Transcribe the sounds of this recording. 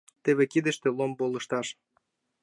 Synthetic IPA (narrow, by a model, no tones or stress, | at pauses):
t̪eβekid̪ə̆ʃt̪ĕlombolɤ̆ʃt̪ɑʃ